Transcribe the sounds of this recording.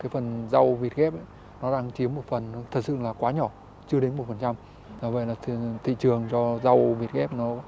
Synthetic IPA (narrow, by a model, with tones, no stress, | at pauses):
kaː˨˦jfə˨˩nza˧wvi˨˩ət̚ɣɛ˦˥p̚ə˨˦j | nɔ˨˦ɗaː˧ŋt͡ɕi˨˦əmːo˨˩t̚fə˨˩n˨˦t̪ʰə˨˩t̚sɨ̰˧˨laː˨˩kwaː˨˦ɲɔ˧˩ | t͡ɕɨ˧əɗe˨˦nmo˨˩t̚fə˨˩nt͡ɕa˧m | zaː˨˩və̰˧˨jlaː˨˩t̪ʰt̪ʰḭ˧˨t͡ɕɨ˨˩əŋt͡ɕɔ˧za˧wvi˨˩ət̚ɣɛ˦˥p̚nɔ˨˦